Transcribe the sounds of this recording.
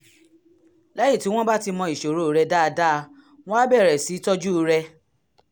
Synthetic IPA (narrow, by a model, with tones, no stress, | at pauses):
lɛ˦jĩ˦˨ti˨˦w̃ɔ̃˦ba˦ti˧mɔ̃˧i˨ʃo˨ɾo˨˦ɾɛ˧da˦˧da˦˧ | w̃ɔ̃˦a˦bɛ˦˨ɾɛ˨si˨˦tɔ˦d͡ʒu˦˧ɾɛ˧